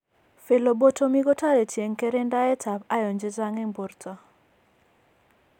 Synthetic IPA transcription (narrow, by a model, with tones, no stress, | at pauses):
fe˨lo˨bo˦to˦mi˦ɡɔ˦ta˦ɾe˨tje˨ŋke˦ɾe˦nda˦ɛ˦ta˨pa˦jɔ˨ɲd͡ʒɪ˦za˦ŋɛ˦mbo˨rta˦